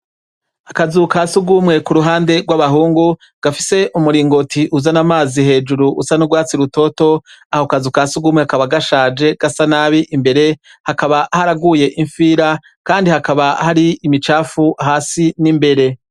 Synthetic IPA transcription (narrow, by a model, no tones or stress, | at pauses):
akazukasuɡumŋe̞kuɾuɦaːnde̞ɡwaβaɦuːŋɡu | ɡ̥afise̞ʔumuɾiːŋɡo̞tʰiʔuzanamaːzihe̞ːd͡ʒuɾuʔṵsanuɡwaːt͡siɾuto̞to̞ahokazukasuɡuːmŋeakaβaɡaʃaːd͡ʒe̞ɡ̥asanaːβiʔimbe̞ɾe̞ | hakaβahaɾaɡuje̞ʔiɱfiːɾa | kaːndihakaβahaɾiimit͡ʃaːfuahaːsinimbe̞ɾe̞